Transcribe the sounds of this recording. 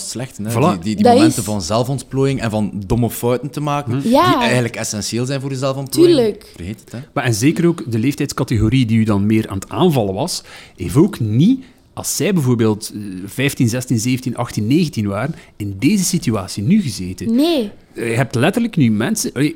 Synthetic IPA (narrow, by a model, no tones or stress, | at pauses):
slɛxtənvɑladididɛntənvɑnzɛlˠfɔntploːjɪŋɛ̰nvɑndɔmɔfœwtəntəmaːkənjaiɛɣənləkɛsɛnseːlˠzɛjnvoːɾdəzɛlˠfɔnt̚plːjləkvərɦeːtətɛmaɛnzeːkəɾoːkdəleːftɛjtskɑteɣoɾiədiydɑnmeːɾʔa̰ːnəta̰ːnvɑləʋɑsɦḛːftoːkni | ɑ̰lˠsːɛjbəvoːrbeːlˠtv̥ɛjftinzɛstinzeːvəntinʔɑxtinːeːɣəntinʋaːɾənɪndeːzəsityaːsinyɣəzeːtənne | əɦɛp̚tlɛtərləknymɛnsənʔɑleː